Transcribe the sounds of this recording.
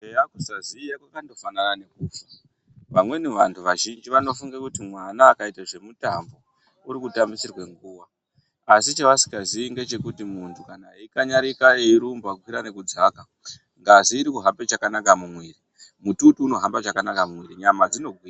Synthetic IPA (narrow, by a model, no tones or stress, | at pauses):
ejakusazijakwakando̞fananane̞k̚uːfa | ʋamwe̞niʋantʰuʋaʒind͡ʒiʋano̞fuŋɡakutimwanaːkaitaʐe̞mutambo̞ | uɾikutambisirwe̞ŋɡuːʋaː | sit͡ʃaʋasi̥kaziiŋɡe̞t͡ʃe̞kutimuntʰukanaikaɲaɾikaeiɾumbaɡwiɾane̞kud͡zaka | ŋɡaʐiːɾikuɦampet͡ʃakanakamumwiːri | mututuːno̞ɦambat͡ʃakanakamumwiɾiɲamad͡zino̞ɡʱwiːra